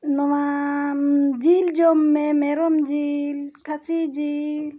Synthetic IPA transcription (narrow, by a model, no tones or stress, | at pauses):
nɔwa | d͡ʒild͡ʒomːemeɾɔmd͡ʒilkʰasid͡ʒil